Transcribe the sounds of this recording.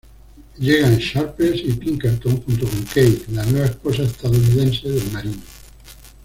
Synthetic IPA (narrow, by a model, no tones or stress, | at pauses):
ʎeɣ̞anʃaɾpesipiŋkeɾt̪oŋxunt̪okoŋkejtlanweβ̞aesposaest̪aðouniðẽnseðelmaɾino